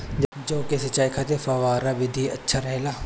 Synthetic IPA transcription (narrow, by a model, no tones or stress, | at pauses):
d͡ʒd͡ʒoːkesɐt͡ʃaːikʰat̪efɐʋaːɾaʋɪd̪ʱiɐtːʃʰaɾɛɦelaː